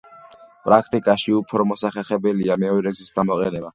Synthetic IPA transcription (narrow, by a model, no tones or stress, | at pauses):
pʼɾakʰt̪ʼikʼaʃiupʰɾɔmɔsaχɛlχɛbɛliamɛɔɾɛɡzisɡamɔqʼɛ̰nɛba